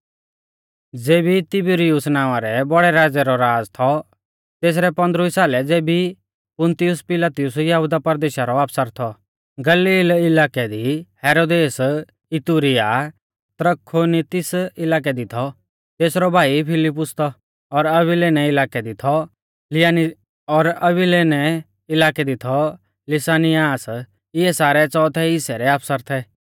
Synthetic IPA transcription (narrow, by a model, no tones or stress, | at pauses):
d͡zeːbit̪ɪbʊɾɪjʊsnaːʋ̃aɾɛbɐɽɛɾaːd͡zɛɾɔɾaːd͡zt̪ʰɔ | t̪eːs̬ɾɛpɐ̃nd̪ɾʊisaːlɛd͡zeːbi | pʊ̃nt̪ɪjʊspɪlaːt̪ɪjʊsjɐɦud̪apɐɾd̪eːʃaɾɔaːpsəɾt̪ʰɔ | ɡɐliːlɪlaːkɛd̪ihɛːɾoːd̪eːs | ɪt̪uːɾɪja | t̪ɾəkʰːonit̪ɪsɪlaːk̬ɛd̪ɪt̪ʰɔ | t̪eːsɾɔbʱaːipʰɪlɪp̬ːʊst̪ʰɔ | ɔɾɐbɪlenɛɪlaːkɛd̪ɪt̪ʰɔ | lɪan | ɔɾɐbɪlenɛ | ɪlaːkɛd̪ɪt̪ʰɔ | lɪsaːnɪjaːs | ɪɛsaːɾɛt͡sɔːt̪ʰɛɪsɛɾɛaːpʰsəɾt̪ʰɛ